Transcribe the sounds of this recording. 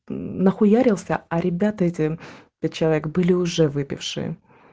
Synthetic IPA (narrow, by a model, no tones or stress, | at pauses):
nɐxʊjaɾʲɪlˠsʲəɐɾʲɪbʲat̪əɛtʲɪpʲɛt̪̚ʲt͡ɕɪlˠɐvʲekbɨlʲɪʊʐɛvɨpʲɪ̰fʂɨ̰jə̰